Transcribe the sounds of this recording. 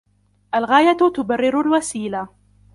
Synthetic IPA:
ʔalɣaːjat̪ʊbarːɪɾʊlwasiːla

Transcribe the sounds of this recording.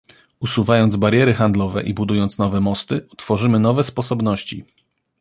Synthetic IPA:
usuvajɔnd̪zbaɾjɛɾɘxand̪lɔvɛ̰ʔibud̪ujɔnt̪snɔvɛmɔst̪ɘɔt̪fɔʐɘmɘnɔvɛspɔsɔbnɔɕt͡ɕḭ

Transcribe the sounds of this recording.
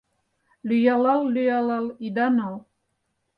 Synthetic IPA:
lyjalɑlːyjalɑlˠid̪anal

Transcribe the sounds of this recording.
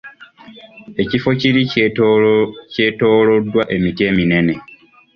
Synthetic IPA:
e̞cifo̞ciɾi | ce̞to̞ːlo̞dːwaʔe̞mitie̞ːmine̞ne̞

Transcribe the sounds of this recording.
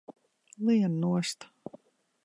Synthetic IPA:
lˠiɛnnuɔst̪

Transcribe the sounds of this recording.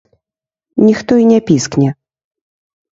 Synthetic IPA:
nʲixt̪ɔinʲɛpʲisknʲɛ

